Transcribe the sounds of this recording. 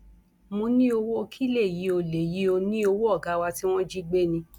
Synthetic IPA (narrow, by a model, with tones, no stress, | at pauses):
mõ˧nĩ˦o˧wo˦o˧kʰi˦le˦˨ji˨˦o˧le˨ji˨˦o˧nĩ˦o˧wo˦ɔ˦˨ɡa˨˦wa˧ti˦w̃ɔ̃˦d͡ʒi˦ɡ͡be˦˨nĩ˧